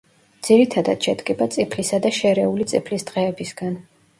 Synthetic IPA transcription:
d̪z̥iɾit̪ʰad̪at̪ʃɛd̪ɡʼɛbat̪sʼipʰlisad̪aʃɛɾɛulit̪sʼipʰlisd̪ʁɛːbisɡan

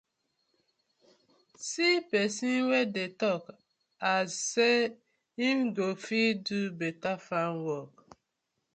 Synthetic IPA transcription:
sipɛsinwedetɔk | azːe | imɡofidubetafãnwɔk

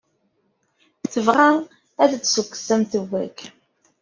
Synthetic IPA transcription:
θəvʁa | æθət͡sːsukːə̥sæmθəwːæ̰k

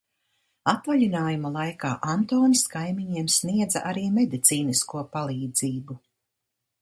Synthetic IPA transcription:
at̪vaʎʲinaːjumalˠajkaːʔant̪oːniskajmiɲiɛmsniɛd̪zaʔaɾiːmed̪it̪siːniskuɔpalˠiːd̪ziːbu

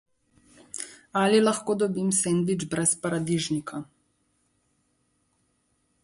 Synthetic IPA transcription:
alilaxkoːd̪ɔbimsend̪id͡ʒbɾɛspaɾad̪iʒnikʰa

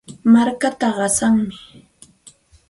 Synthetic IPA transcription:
maɾkat̪aɢɑsaŋmɪ

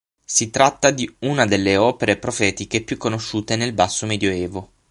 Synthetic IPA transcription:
sit̪ɾat̪ːad̪iunad̪elːeɔːpeɾepɾofɛːt̪ikepjukːonoʃːuːt̪enelbasːomed̪joɛːvo

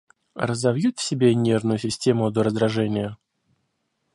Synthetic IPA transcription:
rəzɐvjut̪fsʲɪbʲenʲe̞rnʊjʊsʲɪsʲtʲemʊd̪oɾəzd̪ɾɐʐɛnʲɪjə

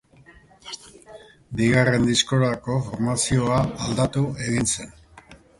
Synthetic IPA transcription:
biɣare̞nd̪isko̞ɾako̞fo̞ɾmasio̞aald̪at̪ue̞ɣinse̞n

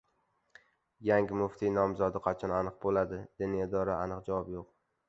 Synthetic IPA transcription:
jaŋɡʲɪmʊft̪ʰinɒmzɒd̪ɨqʰɑt͡ʃʰɒnanɨq̚bolad̪ɪd̪̥ɪnɪed̪ɒɾaanɨqd͡ʒavɒpjoq

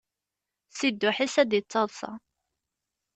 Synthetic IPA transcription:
sid̪ːʊħisæd̪jət͡sˤːɑðˤsɑ̰

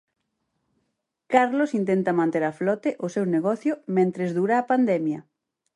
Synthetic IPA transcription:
kaɾlosint̪ent̪ɐmãnt̪eɾaflɔt̪eʔʊsewneɣɔθjomẽnt̪ɾezðuɾaːpand̪emjɐ

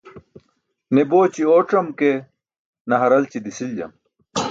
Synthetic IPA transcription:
neboːt͡ɕioːʈ͡ʂɐmke | nɐɦɐɾɐlt͡ɕid̪isild͡ʑɐ̰m

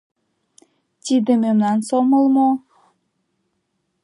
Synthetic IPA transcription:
t̪ʲid̪ememnɑnsoməlmo

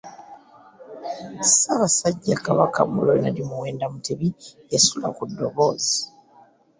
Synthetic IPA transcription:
saβasaɟːakaβaka̰mulonalimuwe̞ːndamutʰeβi | esula̰kudːoβoːzi

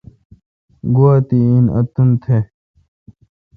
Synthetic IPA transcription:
ɡuat̪iinɐ̰t̪unt̪ʰe

